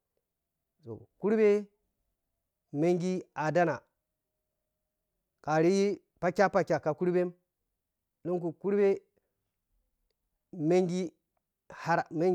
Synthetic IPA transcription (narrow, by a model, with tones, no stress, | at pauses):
so̰˨ku˦ɾbe˦ | me˦ŋɡi˦a˨da˦na˨ | ka˨ɾi˦ji˦ | pa˦kʲa˦pa˨kʲa˨ka˨ku˦ɾbe˦m | no˦ŋk̬u˨ku˦ɾbe˦ | me˦ŋɡi˦ | ha˦ɾme˦